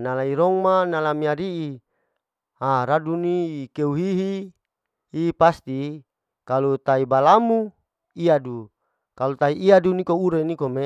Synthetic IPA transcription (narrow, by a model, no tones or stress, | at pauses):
nalaiɾɔŋmanalamiaɾiʔi | haɾaduniːkeuɦiɦi | hipast̪i | kalut̪aibalamu | iadu | kalut̪aiʔːadunikouɾenikome